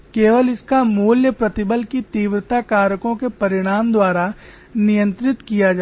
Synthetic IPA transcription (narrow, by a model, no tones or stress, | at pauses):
keːʋəlɪskamuːljəpɾɐt̪ɪbəlkit̪iːʋɾət̪akaːɾəkõkepɐɾɪɽ̃aːmd̪waːɾa | nɪjə̃nt̪ɾɪt̪kijad͡ʒa